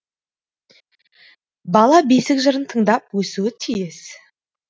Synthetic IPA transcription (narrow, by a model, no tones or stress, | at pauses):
bɑlˠɑbejsɪkʒəɾənt̪ʰəɴd̪ɑpwɵsuwɪt̪ʰijɪs